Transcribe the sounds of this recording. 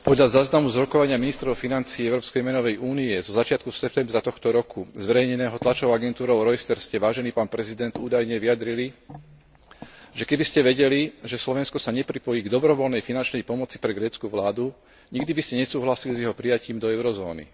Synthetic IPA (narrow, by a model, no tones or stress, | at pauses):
pɔd̪ʎazaːznamuzɾɔkɔʋaɲɪaminist̪ɾɔʊfinant͡siːɛʊɾɔːpskɛjmɛnɔʋɛjʔuːniɛzɔzat͡ʃɪat̪kusɛp̚t̪ɛmbɾat̪ɔxt̪ɔɾɔkʰuzʋɛɾɛjɲɛnɛːɦɔt̪lat͡ʃɔʊaɡɛnt̪uːɾɔʊɾɔjst̪ɛɾscɛʋaːʒɛniːpaːnpɾɛzid̪ɛnd̪uːd̪ajɲɛʋijad̪ɾili | ʒɛkɛbiscɛʋɛɟɛliʒɛslɔʋɛnskɔsaɲɛpɾipɔjiːɡd̪ɔbɾɔʋɔlnɛjfinant͡ʃnɛjpɔmɔt͡si̥pɾɛɡɾɛːt͡skuʋlaːd̪u | ɲiɡd̪ibiscɛɲɛsuːɦlasilizjɛɦɔpɾijaciːmd̪ɔɛʊɾɔzɔ̰ːnḭ